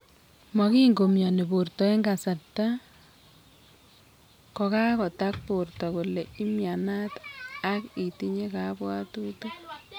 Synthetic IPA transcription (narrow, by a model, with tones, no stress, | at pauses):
ma˨ki˦ŋɡo˨mjɔ˨ne˨bo˨rtɔ˨e˦ŋɡa˨sa˨ta˦ | kɔ˨ka˦kɔ˨ta˦k̚poɾtɔ˨ku˨le˨i˦mja˨na˦ta˦ki˨ti˦ɲe˦kabwa˦tu˦to